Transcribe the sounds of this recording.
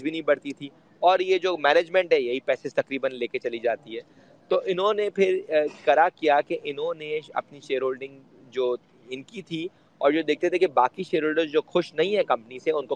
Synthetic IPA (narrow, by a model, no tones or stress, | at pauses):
bʱinɐɦĩbɐɽt̪it̪ʰi | ɔːɾjed͡ʒoːmɛːneːd͡ʒmɛ̃ɳʈɦɛjɐɦipɛːsest̪ɐkɾiːbənleːket͡ʃɐlid͡ʒaːt̪iɦɛː | t̪oːʔɪnɦõnepʰɪɾkɐɾakijakeʔɪnɦõneɐ̰pniʃeːɾɦoːlɖɪ̃ŋɡ | d͡ʒoː | ɪnkit̪ʰi | ɔːɾd͡ʒoːd̪eːk̚t̪et̪ʰekebaːkiʃeːɾɦoːlɖəɾzd͡ʒoːxʊʃnɐɦĩɦɛ̃kɐ̃mpəniseʊnko